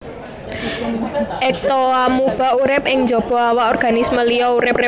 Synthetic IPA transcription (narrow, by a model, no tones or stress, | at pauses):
ʔɛk̚t̪oamub̥a̤uɾɪp̚ɪŋɲd͡ʒo̤b̥ɔ̤awaɔrɡ̥a̤nisməlijɔuɾɪp̚re